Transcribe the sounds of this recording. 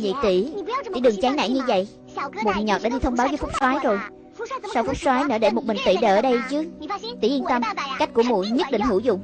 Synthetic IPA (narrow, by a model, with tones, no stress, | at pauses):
ɲḭ˧˨t̪i˧˩ḭ˧˩ɗɨ˨˩ŋt͡ɕaː˨˦ŋna̰ː˧˨ŋɲɨ˧və̰˧˨jʔ | mo˨˩˨ɲɔ˨˩t̚ɗaː˧˥ɗi˧t̪ʰə˧wŋ͡mɓaː˨˦wvə˨˦jfʊ˦˥k͡p̚swaː˨˦jzo˨˩j | sa˧wfʊ˦˥k͡p̚swaː˨˦jnəː˧˩ɗe˧˩mo˨˩t̚mï˨˩ŋ̟t̪ḭ˧˨ɗə̰ː˧˩ɗə˧jt͡ɕɨ˦ək̚t̪ḭ˧˩ʔi˧ənt̪ə˧mka˦˥jk̟̚ku˧˩əmṵ˧˨jɲɨ˦˥t̚ɗḭ˧˨ŋ̟hɨ˧˩zʊ̰˧˨ŋ͡m